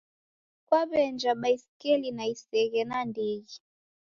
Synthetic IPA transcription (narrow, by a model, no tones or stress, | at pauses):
kwaβɛnd͡ʒaɓaisikɛlinaisɛɣɛnandɛɣi